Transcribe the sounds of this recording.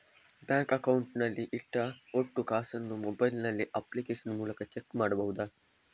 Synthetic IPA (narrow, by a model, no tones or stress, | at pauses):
bãːŋkɐkauɳʈnaliʔɪʈːaoʈːukaːsɐnːumobajlnaliʔaplikeːʃənmuːlɐkɐt͡ʃekːmaɽbɐɦud̪a